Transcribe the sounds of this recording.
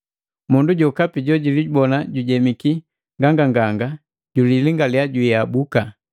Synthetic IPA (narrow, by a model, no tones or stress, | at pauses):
munduɟɔkapiɟɔɟilibɔnaɟuɟɛmiki | ŋɡaŋɡaŋɡaŋɡa | ɟuliliŋɡalijaɟuiabuka